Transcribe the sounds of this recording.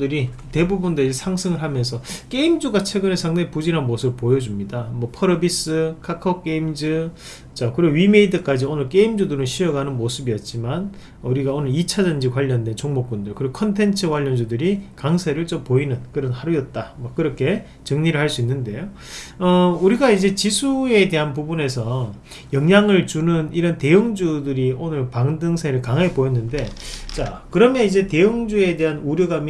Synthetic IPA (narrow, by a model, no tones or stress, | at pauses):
dɯɾi | te̞bubundɯd͡ʑesʰaŋsʰɯŋɯɭhamjʌnsʰʌk͈e̞imd͡ʑuɡat͡ɕʰwe̞ɡɯnesʰaŋdaŋipud͡ʑiɾɦanmosʰɯbɯɭpojʌd͡ʑumɲidamwʌpʰʌɾʌbis͈ɯkʰakʰʌk͈̚e̞imd͡ʑɯ | t͡ɕakɯɾeoɥime̞idɯk͈ad͡ʑionɯɭk͈e̞imd͡ʑudɯɾɯnɕʰijʌɡanɯnmosʰɯbijʌt̚t͡ɕ͈iman | uɾiɡaonɯɭit͡ɕʰad͡ʑand͡ʑikwaʎːʌndwe̞nt͡ɕoŋmok͈̚undɯɭkɯɾiɡokʰʌntʰe̞nt͡ɕʰɯkwaʎːʌnd͡ʑudɯɾikaŋsʰeɾɯɭt͡ɕompoinɯnkɯɾʌnaɾujʌt̚t͈amak͈ɯɾʌkʰe̞ | t͡ɕɯŋɲiɾɯɭhaɭs͈uinːɯnde̞jo | ʌuɾiɡaid͡ʑe̞t͡ɕisʰue̞de̞ɦanp̬ubune̞s̬ʰʌ | jʌŋɲaŋɯɭt͡ɕunɯniɾʌnte̞ɯŋd͡ʑudɯɾionɯɭpaŋdɯŋsʰeɾɯɭkaŋɦepojʌnːɯnde̞t͡ɕakɯɾʌmjʌnid͡ʑe̞te̞ɯŋd͡ʑue̞de̞ɦanuɾjoɡam